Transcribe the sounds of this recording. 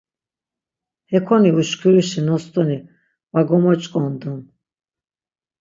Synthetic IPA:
hɛkʰɔniuʃkʰuɾiʃinɔst̪ʼɔni | waɡɔmɔt͡ʃʼkʼɔnd̪un

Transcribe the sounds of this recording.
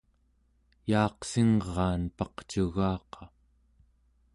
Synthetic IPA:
jɑːqsiŋʁɑːnpɑqt͡ʃuɣɑːqʰɑ

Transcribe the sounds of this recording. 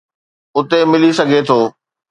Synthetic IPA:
ʊt̪emɪlisɐɡʱet̪ʰoː

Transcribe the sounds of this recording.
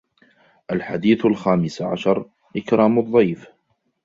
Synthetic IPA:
ʔalħad̪iːθalxaːmɪsaʕa̰ʃɑɾˤ | ʔɪkɾˤɑːmʊðˤːɑjf

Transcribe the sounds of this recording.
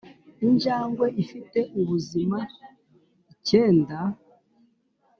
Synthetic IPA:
iɲd͡ʒaːŋɡwe̞ifite̞ʔuβuzima | ice̞ːnda

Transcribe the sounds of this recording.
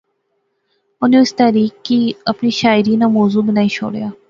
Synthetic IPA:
ʊniɪst̪aːɾiːkkiɐpniʃaːɪɾiːnamɔːzuːbɪnaːĩʃʰo̰ːɽjaː

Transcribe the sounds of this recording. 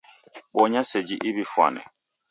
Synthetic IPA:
ɓɔɲased͡ʒiʔiβifwa̰nɛ̰

